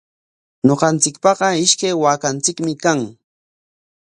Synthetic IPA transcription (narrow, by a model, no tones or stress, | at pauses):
ɲoɢɑnt͡sɪkpɑɢɑɪʃkajwaːkant͡sɪkmɪkaŋ